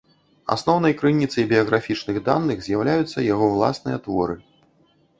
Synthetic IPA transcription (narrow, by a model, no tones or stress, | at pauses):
a̰snɔwnɐjkɾɨnʲit̪sɐjbʲiɐɣɾafʲit͡ʂnɨɣd̪anːɨɣzʲjawlʲajut̪sːɐjaɣɔwlˠa̰snɨjɐt̪vɔɾɨ